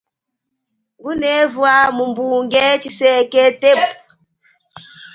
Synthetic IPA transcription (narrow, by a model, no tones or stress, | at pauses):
ɡunɛvwamumbuŋɡɛt͡ʃisɛkɛtep